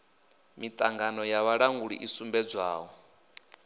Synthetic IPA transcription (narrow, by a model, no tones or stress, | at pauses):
mit̪ʼaŋɡanɔjaβaɺaŋɡuɺḭʔisumbɛd͡zwaːwɔ